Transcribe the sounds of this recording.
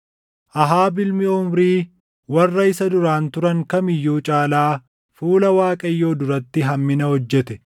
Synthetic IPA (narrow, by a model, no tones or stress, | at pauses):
ʔɐɦaːbɪlmɪʊmɾiː | wɐrːɐɪsɐd̪ʊɾaːnt̪ʊɾɐŋkɐmɪjːuːt͡ʃʼaːlaː | fuːlɐwaːkʼɐjːo̞ːd̪ʊɾɐt̪ːɪɦɐmːɪnɐhɔd͡ʒːɛt̪ɛ